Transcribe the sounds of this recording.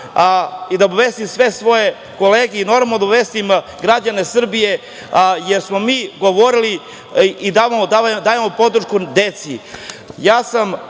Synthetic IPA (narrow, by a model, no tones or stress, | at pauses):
id̪aobaʋest̪imsʋe̞sʋo̞je̞ | ko̞leːɡeino̞ɾmnod̪obʋest̪im | ɡɾad͡ʑanesr̩bije̞ | jeɾsmo̞miːɡo̞ʋo̞ɾiliː | d̪ad̪ad̪aːjemopo̞d̪ɾ̩ʃkud̪et̪sijaːsam